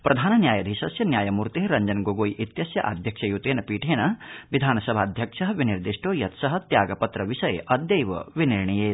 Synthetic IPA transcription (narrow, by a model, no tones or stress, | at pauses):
pɾʔɐd̪ʱaːnɐnjaːjɐd̪ʱiːʃɐsjɐnjaːjɐmuːɾt̪eɦeɾɐɲd͡ʒɐnɡoɡoːjʔit̪jɐsjɐ̰ʔa̰d̪ʱjɐkʂɐjut̪eːnɐpiːʈʰeːnɐʋid̪ʱaːnɐsɐbʱaːd̪ʱjɐkʂɐɦʋiniɾd̪iʂʈoːjɐt̪sɐɦɐ̆t̪jaːɡɐpɐt̪ɾɐʋiʃɐjɐd̪jɐjʋɐ̰ʋiniɾɳijeːt̪